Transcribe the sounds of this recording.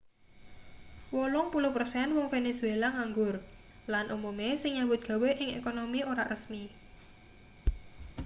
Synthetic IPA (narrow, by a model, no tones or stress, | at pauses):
wolʊŋpuluhpərsɛnwɔŋfenesuelaŋaŋɡʊr | lanʔumumesɪŋɲabʊt̪̚ɡ̥a̤weʔɪŋḛkonomioɾarəsmi